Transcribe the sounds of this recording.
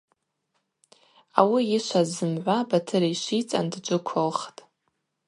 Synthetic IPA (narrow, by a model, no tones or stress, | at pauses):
a̰wiɪʃʷʰazɨmʕʷabatʰɨɾaiʃʷit͡sʼa̰ndd͡ʒʷɨkʷʰolχtʼ